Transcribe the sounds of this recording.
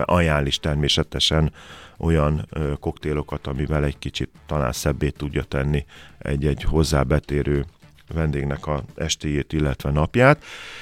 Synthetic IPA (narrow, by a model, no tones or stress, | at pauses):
ʔɒjaːliʃt̪ɛrmeːsɛt̪ɛʃɛnʔo̞jɒnko̞kt̪eːlo̞kɒt̪ɒmivɛlɛɟkit͡ʃit̪ːɒla̰ːnsɛbːeːt̪ːuɟːɒt̪ɛnːiɛ̰ɟːɛɟho̞zːa̰ːbɛt̪eːɾʔøː | vɛnd̪eːɡnɛkɒɛ̰ʃt̪eːjeːt̪ilːɛt̪ʋɛnɒpjaːt̪